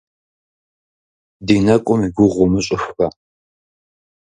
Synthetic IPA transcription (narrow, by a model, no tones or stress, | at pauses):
diːnɐkʷʼʊmiɡʷʊʁʷʊmɨɕʼɪxɐ